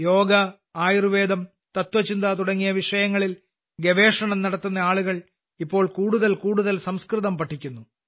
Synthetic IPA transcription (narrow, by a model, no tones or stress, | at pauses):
jo̞ːɡɐ | aːjiruʋe̞ːd̪ɐm | t̪ɐt̪ʋɐt͡ɕind̪at̪uɽɐŋːijɐʋiʂɐjɐŋːɐɭil | ɡeʋe̞ːʂɐɳɐmnɐɽɐt̪ːunːɐaːɭuɣɐɭ | ipːo̞ːɭkuːɽuðɐlkuːɽuðɐlsɐmskriðɐmpɐʈʰːikʲːunːu